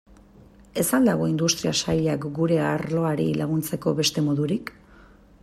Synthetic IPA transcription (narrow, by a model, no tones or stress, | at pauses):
e̞sand̪aɣ̞o̞ind̪ust̪ɾiasaʎakɡuɾe̞aɾlo̞aɾḭlaɣunt͡se̞ko̞βe̞st̪e̞mo̞ðuɾik